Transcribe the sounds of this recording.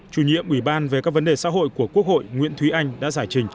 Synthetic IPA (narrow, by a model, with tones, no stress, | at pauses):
t͡ɕu˨˩ɲḭ˧˨əmʔwi˧˩ɓaː˧nve˨˩kaː˦˥k̚və˨˦nɗe˨˩sa̰ː˧˥ɦo̰˧˨jku˧˩əku˦˥ək̚ho̰˧˨jŋwḭ˧˥ənt̪ʰwi˨˦ʔa˧jŋ̟ɗa̰ː˧˥zaː˧˩jt͡ɕï˨˩ŋ̟